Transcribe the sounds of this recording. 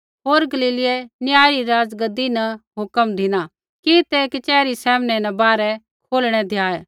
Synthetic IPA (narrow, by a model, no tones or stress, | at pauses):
ɦoːɾɡɐliːlɪjɛnjaːɾiɾaːd͡zɡɐd̪inɐɦʊkəmd̪ʱɪña | kit̪ɛkit͡ʃɛːɾisɛːmnɛnɐbaːɾɛ | kʰoːlɽ̃ɛd̪ʱjaːɛ